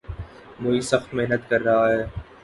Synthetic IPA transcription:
moːiːsəxt̪meɦnət̪kɐɾːɐɦaɦɛː

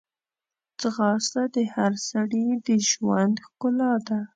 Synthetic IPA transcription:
t͡sɣɑst̪ad̪əhaɾsaɽid̪əʒwand̪xkʊlɑd̪a

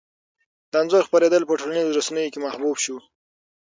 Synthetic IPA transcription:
d̪̥anzoɾxpaɾed̪əlpəʈolanizoɾasanəjokemahbubʃu

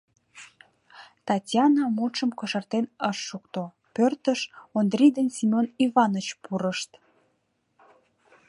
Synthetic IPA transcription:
t̪ɑtʲjɑnɑmulʃəmkoʃərt̪enəʃːukt̪o | pørt̪əʃond̪rʲid̪ənsʲimʲonivɑnət͡ɕpuɾəʃt̪

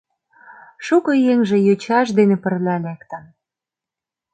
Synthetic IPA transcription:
ʃukɤ̆jeŋʒĕjøt͡ɕɑʃ̬d̪enĕpə̆rlʲælekt̪ə̆n

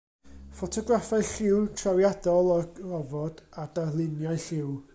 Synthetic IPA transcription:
fɔtʰɔɡrafaɨɬɪwrtʰrawjadɔlˠɔɡrɔvɔd̥adarlˠɪnjaɨɬɪw

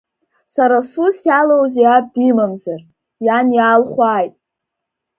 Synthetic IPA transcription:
saɾasusjalowzejab̚dimamzar | janjaːlχʷaːjtʼ

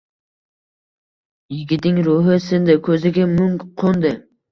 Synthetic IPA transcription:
jɪɡʲɪd̪ɪŋɾʊɦɪsɪnd̪ɪkʲʰɵzɪɡʲamʊŋqʰʊnd̪ɪ

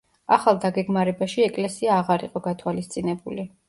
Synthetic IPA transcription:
a̰χalˠd̪aɡɛɡmaɾɛbaʃiɛkʼlɛsiaːʁaɾḭqʼɔɡat̪ʰwalist̪sʼinɛbuli

